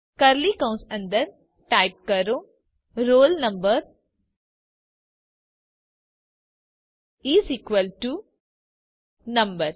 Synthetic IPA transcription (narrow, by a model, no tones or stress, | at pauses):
kɐɾlikɐ̃wnsɐ̃nd̪ɐɾ | ʈaɪp̚kɐɾõ | ɾoːlnɐmbəɾ | iːsikʋəlʈu | nɐmbəɾ